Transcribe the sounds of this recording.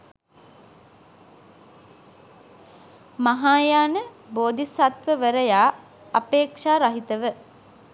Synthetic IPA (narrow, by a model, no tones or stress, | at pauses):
maɦaːjaːnə | boːd̪isat̪ʋəʋəɾəjaː | apeːkʂaːɾaɦit̪əʋə